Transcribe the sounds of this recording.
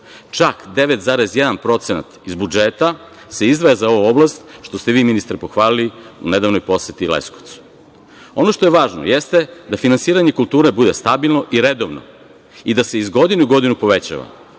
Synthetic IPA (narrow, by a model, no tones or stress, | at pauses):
t͡ʃakd̪e̞ʋet̪zaːɾezjed̪anpɾo̞t̪sena̰t̪izbud͡ʒeːt̪a | seizd̪ʋajazao̞ʋuoblast̪ʃt̪o̞st̪e̞ʋiːminist̪ɾipo̞xʋaːliliune̞d̪aʋnojpo̞sjet̪ilḛskot̪su̥ | o̞no̞ʃt̪o̞jeʋaːʒno̰je̞st̪e̞d̪afinansiːɾaɲe̞kulˠt̪uːɾebud̪e̞st̪abilˠno̞ʔiɾed̪oʋno̰ | id̪ase̞izɡo̞d̪inuuɡo̞d̪inupo̞ʋe̞t͡ɕa̰ʋa̰